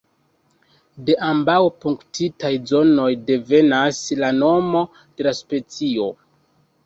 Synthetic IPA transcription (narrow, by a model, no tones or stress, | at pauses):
de̞ʔambawpuŋktʰitajzo̞no̞jde̞ve̞naslano̞mo̞ | d̥e̞laspe̞t͡sio̞